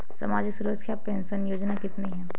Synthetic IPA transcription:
sɐ̰maːd͡ʒisuɾəkʃʰapẽːnsənjoːd͡ʒnakɪt̪neɦɛ̃ː

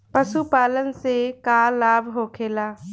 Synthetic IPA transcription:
pəsupaːlənsekalaːbʱɦoːkʰeːlaː

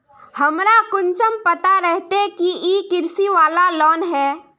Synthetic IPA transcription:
hɐmɾakʊnsəmpɐt̪aɾɛɦt̪ekiiːkɪɾsiʋaːlalɔːnɦɛː

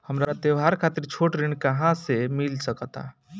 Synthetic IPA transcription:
həmɾaat̪ewɦaɾkʰat̪iɾt͡ʃʰoʈɾiɳɖkəɦãsemilsəkət̪a̰

